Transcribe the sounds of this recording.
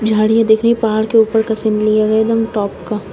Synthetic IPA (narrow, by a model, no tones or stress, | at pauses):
d͡ʒʱaːɽijad̪eːkʰɾeipaɦːɽkeuːpəɾkɐsɪ̃nd̪lijaɡɐed̪ɐmʈɔːpka